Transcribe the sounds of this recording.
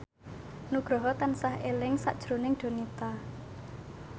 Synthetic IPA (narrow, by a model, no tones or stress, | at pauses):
nuɡ̥ɾɔɦɔt̪ansahʔelɪŋsa̰ʔd̥ʒ̥ɾo̤nɪŋɖ̪̥o̤nit̪a